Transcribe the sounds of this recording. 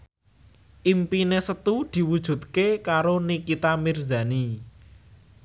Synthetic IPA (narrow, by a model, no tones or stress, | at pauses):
ʔimpinesət̪ud̪̥i̤wud̥ʒ̥ṳt̪̚kekaɾonikit̪amirda̤ni